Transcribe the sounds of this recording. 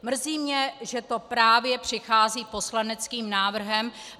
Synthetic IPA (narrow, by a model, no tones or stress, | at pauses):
mr̩ziːmɲɛʒɛt̪o̞pɾaːvjɛpr̥ɪxaːziːpo̞slanɛt͡skiːmnaːvr̩ɦɛm